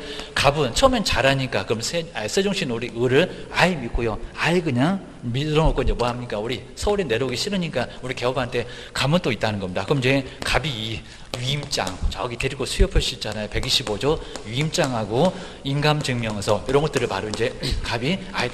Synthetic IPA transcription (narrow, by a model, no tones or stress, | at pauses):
kabɯnt͡ɕʰʌʌmjʌnt͡ɕaɾaɲik͈akɯmsʰeasʰed͡ʑoŋɕʰinuɾiɯɾɯɭaimik͈ojoaiɡɯɲaŋ | miɾʌŋʌk͈ʰoiɲd͡ʑe̞mwʌaɦamɲik͈auɾisʰʌuɾene̞ɾoɡiɕʰiɾɯɲik͈auɾike̞ʌbantʰe̞ | kamɯnt͈oit͈anɯnɡʌmɲidakɯʌmiɲd͡ʑe̞kabiː | ɥiːmt͡ɕ͈a̰ŋt͡ɕaʌɡiteɾiɡosʰujʌpʰɯɭɕ͈it͡ɕ͈anajope̞ɡiɕʰibod͡ʑʌɥiːmt͡ɕ͈aŋɦaɡo | inɡamd͡ʑɯŋmjʌŋesʰʌiɾʌnɡʌt͈ɯɾɯɭmaɾoind͡ʑe̞kabiai